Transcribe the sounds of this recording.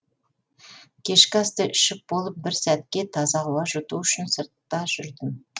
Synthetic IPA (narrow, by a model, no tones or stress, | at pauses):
kʲʰe̞ʃkʲɪɑst̪əʔʏʃɪp̚bo̞lˠəp̚bɪɾsæt̪kʲe̞t̪ʰɑzɑʁʊwɑʒot̪uʏʃɪnsəɾt̪ːɑʒ̥ʏɾd̪ɪm